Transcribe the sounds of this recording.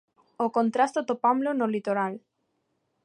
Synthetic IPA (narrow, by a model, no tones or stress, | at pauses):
okont̪ɾast̪ot̪opamlonolit̪oɾal